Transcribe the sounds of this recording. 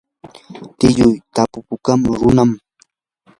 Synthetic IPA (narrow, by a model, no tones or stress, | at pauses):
t̪ɪjʊjt̪apʊpʊkamɾʊnam